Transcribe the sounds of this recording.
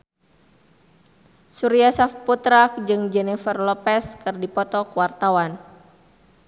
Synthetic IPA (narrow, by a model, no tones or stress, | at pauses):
suɾiasafput̪ɾak̚d͡ʒɨŋd͡ʒɛnɛfərlɔpɛskɨrdipɔt̪ɔkwart̪awan